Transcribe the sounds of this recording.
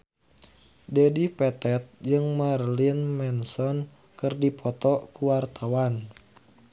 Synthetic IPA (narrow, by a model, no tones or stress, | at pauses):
dɛdipɛt̪ɛt̪̚d͡ʒɨŋmarlinmɛnsɔn | kɨrdipʰɔt̪ɔkuwart̪ʰawan